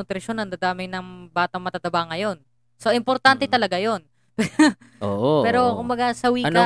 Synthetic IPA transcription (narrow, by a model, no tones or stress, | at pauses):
ʊt̪ɾɪʃo̞nɐŋd̪ad̪aːmɪŋnɐŋbaːt̪ɐŋmɐt̪at̪ɐbaŋːɐjo̞n | so̞ʔɪmpoɾt̪ant̪ɛt̪ɐlɐɡajo̞n | pɛʔo̰ʔpɛːɾo̞kʊmbɐɡasɐwiːk